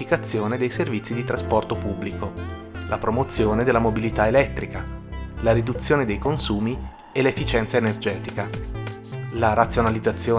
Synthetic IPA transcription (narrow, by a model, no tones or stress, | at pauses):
ikat̪sːjoːned̪ejservit̪sːid̪it̪ɾaspɔrt̪opubːliko | lapɾomot̪sːjoːned̪elːamobilit̪aelɛt̪ːɾikalaɾid̪ut̪sːjoːned̪ejkonsuːmi | elefːit͡ʃɛnt̪saenerd͡ʒɛːt̪ika | laɾat̪sːjonalid̪zːat̪sːjoː